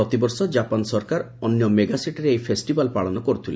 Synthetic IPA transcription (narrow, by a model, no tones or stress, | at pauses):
ɔt̪ibɔɾsɔd͡ʒapansɔɾkaɾ | ɔnːjɔmeɡasiʈɾeejpʰesʈibalpaɭɔnɔkɔɾut̪ʰilḛ